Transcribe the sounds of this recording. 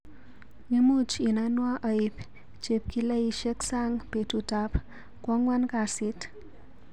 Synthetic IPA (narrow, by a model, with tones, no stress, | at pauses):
ɲə˦mu˦t͡ʃi˨na˧nwa˦ʔa˨i˨p | t͡ʃe˨p̚ki˦la˦i˦ʃɛ˦ksa˦ŋpe˨tu˨ta˨p | kwɔ˦ŋwa˦nka˨sɪ˦t